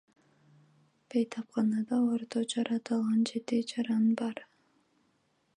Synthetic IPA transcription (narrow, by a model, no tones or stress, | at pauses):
b̥ejt̪ʰɑpqɑnɑd̪ɑoɾt̪od͡ʒɑɾɑt̪ɑlˠʁɑnd͡ʒe̞t̪ɪd͡ʒɑɾɑnbɑɾ